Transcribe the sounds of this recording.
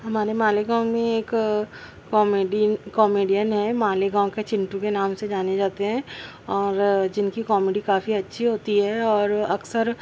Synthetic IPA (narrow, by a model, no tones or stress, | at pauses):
ɦɐmaːɾemaːleɡãːõmẽeːkː | ɔːmeɖikɔːmeːɖijənɦɛmaːleɡãːõket͡ʃɪ̃ɳʈũkenaːmsed͡ʒaːned͡ʒaːt̪eɦɛ̃ː | ɔːɾd͡ʒɪnkikɔːmeːɖikaːfiɐtːʃʰiɦoːt̪iɦɛɔːɾɐksəɾ